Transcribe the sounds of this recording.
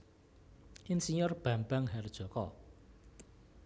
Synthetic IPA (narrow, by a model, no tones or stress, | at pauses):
ʔinsinʊrb̥a̤mbaŋɦard̥ʒ̥ɔ̤kɔ̰